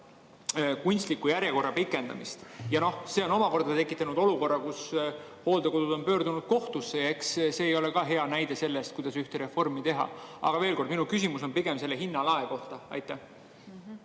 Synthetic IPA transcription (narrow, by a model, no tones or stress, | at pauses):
kunʲst̪likːujæɾjeko̞rːɑpikːˑe̞nd̪̥ɑ̰mist̪jɑno̞hse̞o̞no̞mɑko̞rd̪̥ɑt̪e̞kːˑit̪ːˑɑnud̪o̞luko̞rːɑkusho̞ːld̪̥e̞ko̞d̪ud̪̥o̞npø̞ːrd̪unud̪̥̚ko̞ht̪usːeeksse̞ːjo̞le̞kɑːɦe̞ɑnæjd̪̥e̞se̞lːest̪kujd̪ɑsyht̪eɾe̞fo̞rmit̪e̞ɦɑ̰ɑ̰ɡ̥ɑve̞ːlko̞rd̪minukysʲimuso̞npiɡ̥emse̞lːeɦinːɑlɑeko̞ht̪ɑɑ̰jt̪ːˑæh